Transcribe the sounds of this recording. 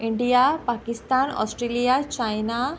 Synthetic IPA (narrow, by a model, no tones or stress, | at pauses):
iɳɖijapakist̪aːnɔ̰sʈɾelijat͡ʃajna